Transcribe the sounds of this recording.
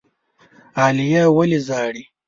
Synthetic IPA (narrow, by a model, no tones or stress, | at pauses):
aːlijawəlizaːɽi